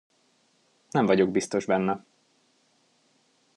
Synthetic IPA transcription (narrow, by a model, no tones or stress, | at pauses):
nɛɱvɒɟo̞ɡ̚bist̪o̞ʒbɛnːɛ